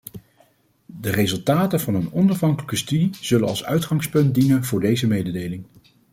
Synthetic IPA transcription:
dərezɵlˠtaːtənvɑnənɔnɑvɦɑŋkələkəstydiz̥ɵlənɑ̰lˠsœ̰ɥtχɑŋspɵnt̚dinənvʊːɹdejzəmejdədejlɪŋ

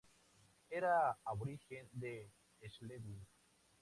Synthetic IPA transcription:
eɾaaβoɾixend̪eː | sleβu

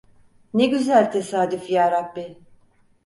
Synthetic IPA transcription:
neɟyzælʲt̪ʰesaːd̪yfjaːɾabbi

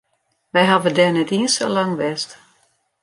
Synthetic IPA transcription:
ʋɛjɦavədɛnɛtiənsə̰laŋʋɛst

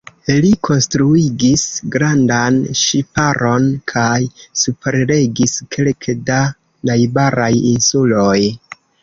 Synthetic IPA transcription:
likʰo̞nstɾuiɡisɡɾandanʃipaɾʔo̞nkʰajsupeɾle̞ɡiskʰe̞lkʰeda | najbaɾajinsuloj

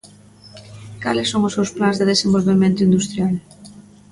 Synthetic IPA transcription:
kalɪsːoŋʊsewsplãnzðeðesẽmbolβemẽnt̪ʊind̪ust̪ɾjal

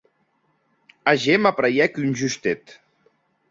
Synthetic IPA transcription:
aʒemapɾajɛkynʲʒyst̪et̪

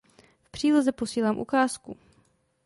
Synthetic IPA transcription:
fpr̝̥iːlozɛpo̞siːlaːmʔṵkaːsku

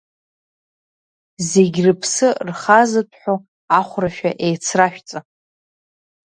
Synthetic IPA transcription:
ze̞ɡʲrɨpʰsɨrχazɨtʷʰħʷᶣo | aχʷraʃᶣaʔejt͡sʰraʃᶣt͡sʼa

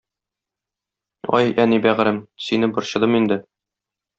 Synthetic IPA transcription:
ɒ̰jænibæʁɾɘmsinɘbŏɾɕɤ̆d̪ɤmind̪ɘ

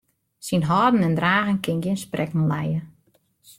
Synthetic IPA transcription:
sinɦɔːdənɛndraːɣənkʰɪnɡɪnsprɛknəlɛjə

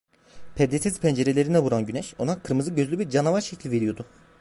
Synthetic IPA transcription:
pʰɛd̪esɛzpʰɛnd͡ʒe̞ɾe̞lʲe̞ɾinɛvuɾanɟynɛʃonakʰɯɾmɯzɯɟøzlʲybiɾd͡ʒanavaɾʃecʰlʲve̞ɾijo̞d̪ʊ

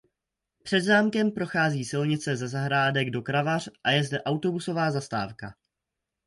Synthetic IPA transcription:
pr̝̥ɛd̪zaːmkɛmpɾo̞xaːziːsɪlɲɪt͡sɛzɛzaɦɾaːdɛɡdo̞kɾavar̝̥ʔajɛzdɛʔawt̪o̞buso̞vaːzast̪a̰ːfka

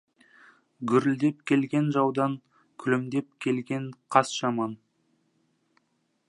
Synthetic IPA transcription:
ɡʲʏɾɪld̪e̞p̚kʲʰe̞lɡʲe̞nʒɑwd̪ɑŋ | kʲʰʏlɪmd̪e̞p̚kʲʰe̞lɡʲe̞ɴqʰɑsʒ̥ɑmɑn

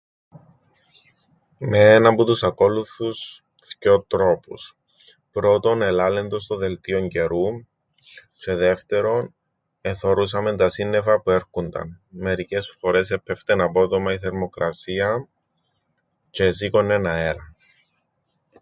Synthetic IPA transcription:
meenɐmput̪usɐko̞luθus | sceot̪ɾo̞pus | pɾo̞t̪o̞ne̞lɐlend̪ost̪oðe̞lt̪io̞ɲɟe̞ɾu | se̞ðe̞ft̪e̞ɾo̞n | eθo̞ɾus̬ɐme̞nt̪ɐsinːe̞vɐpue̞ɾxund̪ɐ̰nme̞ɾice̞sfo̞ɾe̞s̬epʰːeft̪enɐpo̞t̪o̞mɐiθe̞ɾmo̞kɾʔɐsiɐ | ces̬ikone̞nɐe̞ɾɐ

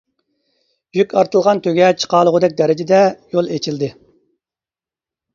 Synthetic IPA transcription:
jykʲɑɾt̪ɨlˠʁɑnt̪ʰøɡʲɛt͡ʃʰqɑːlˠʊʁʊd̪ɛk̚ʲd̪ɛɾɪd͡ʒɪd̪ɛjolˠet͡ʃʰild̪ɪ

